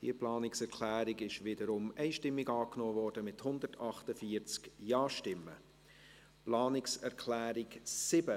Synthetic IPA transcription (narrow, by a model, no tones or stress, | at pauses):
d̥ḭəplɑːnɪksɛɾkʰlæːɾɪɡɪʃʋɪːdəɾʊmɛɪʃtɪmːɪɡɑːknoːvɔːɾdəmɪthʊndətʰɑχtəfiːəɾt͡skjɑːʃtɪmːə̰ | plɑːnɪksɛɾkʰlæːɾɪksɪbə